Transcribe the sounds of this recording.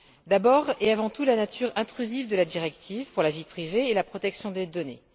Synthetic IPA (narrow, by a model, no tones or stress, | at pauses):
d̪abɔʁeavɑ̃t̪ulanat̪ʰyʁɛ̃t̪χyzivd̪əlad̪iʁɛkt̪ʰivpuʁlavipχiveːlapχɔt̪ɛksjɔ̃d̪ed̪ɔnḛ